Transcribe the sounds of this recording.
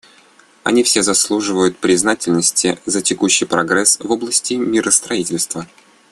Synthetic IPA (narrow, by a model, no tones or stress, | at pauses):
ɐ̰nʲifsʲezɐslˠuʐɨvəjʊt̪̚pɾʲɪznatʲɪlʲnəsʲtʲɪzətʲɪkuɕːɪjpɾɐɡɾɛsvo̞blˠəsʲtʲɪmʲiɾʔəst̪ɾɐitʲɪlʲst̪və